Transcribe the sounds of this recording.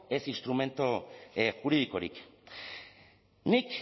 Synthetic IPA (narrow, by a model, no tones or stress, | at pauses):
e̞sinst̪ɾume̞nt̪oxuɾið̞iko̞ɾḭk | nik